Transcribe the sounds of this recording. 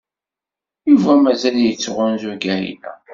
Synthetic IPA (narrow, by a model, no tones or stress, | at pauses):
juvæmæzæljət͡sːʁʊnzuɡæhḭnæ̰